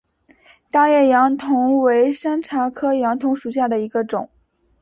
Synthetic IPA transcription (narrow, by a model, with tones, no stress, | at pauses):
t̪a˥˧jɛ˥˩jɑ˧˥ŋt̪ʰʊ˧˥ŋwe˧˥ɪʂə˥nʈ͡ʂʰa˧˥kʰɤ˥jɑ˧˥ŋt̪ʰʊ˧˥ŋʂu˨˩ɕja˥˩d̪ə˩i˧˥ɡə˧ʈ͡ʂʊ˨˩˦ŋ